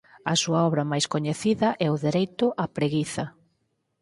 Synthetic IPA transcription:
ɐsuaɔβɾɐmajskoɲeθiðɐʔɛʊðeɾejt̪ʊʔapɾeɣiθɐ

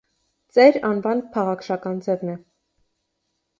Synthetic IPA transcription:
t͡sɛɾɑnvɑnpʰɑʁɑkʃɑkɑnd͡zɛvnɛ

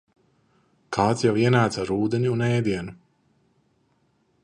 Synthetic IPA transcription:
kʰaːt̪sjawiɛnaːt̪saɾuːd̪ɛniunɛːd̪iɛnu

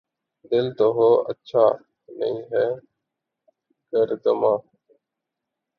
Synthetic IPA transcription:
d̪ɪlt̪oːɦoːʔə̰tːʃʰaː | nə̰ĩːɦɛː | ɡəɾd̪əmãː

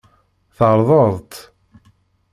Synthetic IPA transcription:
θəɾˤðˤəðˤt̪

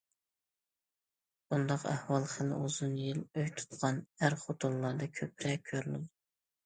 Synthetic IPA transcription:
bund̪ɑqæ̰hwɑlˠχəlɪ̰ozunjiløjt̪ʰu̥t̪ʁɑnæɾχot̪ʰolˠːɑɾd̪ɑkʲʰøp̚ʰɾɛkʲʰːøɾlɪ̰d̪u

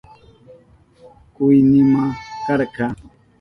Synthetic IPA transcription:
kʊjnɪmakɑɾɢɑː

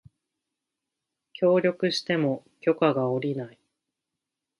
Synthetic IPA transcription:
kʲo̞ːɾʲo̞kɯ̟ɕi̥t̪e̞mo̞ | kʲo̞kaɡao̞ɾʲinai

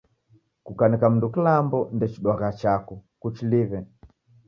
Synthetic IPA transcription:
kukanɛkam̩ndukilambɔndɛt͡ʃiɗwaɣat͡ʃakukut͡ʃilivɛ

